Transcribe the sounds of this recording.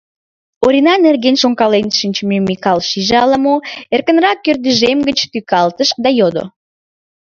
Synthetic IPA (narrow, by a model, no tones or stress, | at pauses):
oɾʲinɑnerɣenʃoŋkɑlenʃinʲt͡ɕmemixɑlʃiʒɑləmoerkənrɑkːørd̪yʒemɡət͡ɕt̪ykɑlt̪əʃk̚d̪ɑjod̪o̰